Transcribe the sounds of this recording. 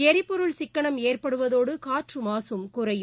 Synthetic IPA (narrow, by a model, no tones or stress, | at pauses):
ɛɾɪpːɔɾɯɭsɪkːɐɳɐmeːrpɐɽɯʋɐðoːɽɯkaːʈrɯmaːsɯmkʊrɐjɯ